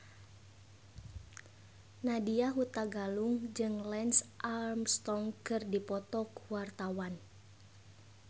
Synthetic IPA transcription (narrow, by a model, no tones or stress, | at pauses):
nadiaɦut̪aɡaluŋd͡ʒɨŋlɛnsʔarmst̪ɔŋkɨrdipɔt̪ɔkuwart̪awan